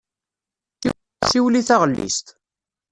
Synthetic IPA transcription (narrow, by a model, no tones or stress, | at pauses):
θi | siwliθaʁəlːḭst̪